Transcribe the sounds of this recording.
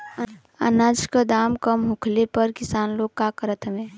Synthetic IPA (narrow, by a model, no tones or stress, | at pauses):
ə̰naːd͡ʒkəd̪aːmkəmɦʊkʰlepəɾkɪsaːnloːɡ̚kakəɾət̪ʰəʋẽː